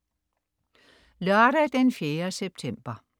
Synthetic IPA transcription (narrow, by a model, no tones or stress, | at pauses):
lœɐɾ̥æd̥enfjeːɐseb̥̚t͡sʰem̰b̥ɐ